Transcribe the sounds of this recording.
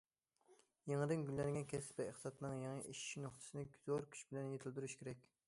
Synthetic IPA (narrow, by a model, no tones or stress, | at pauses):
jeŋɨd̪ɪnɡʲylːɛnɡʲɛnkʲɛspɛeχt̪sɑt̪ʰɨnɨŋjeŋiʔiʃi̥ʃnoχt̪ʰɨ̥sɨnɨɡʲyz̥oɾkʲʰy̥t͡ʃbɪlɛnjet̪ʰɪld̪yɾyʃkʲʰeɾɛkʲ